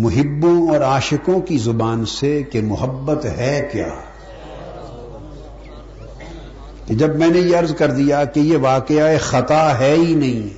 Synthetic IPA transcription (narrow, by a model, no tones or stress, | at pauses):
mʊɦɪbːõɔːɾaːʃɪkõkizʊbaːnsekemʊɦəbːət̪ɦɛkja̰ː | ked͡ʒɐbmɛ̃ːnejeɐɾzkɐɾd̪ijakejeʋaːkeaexɐt̪aɦɛinɐɦĩː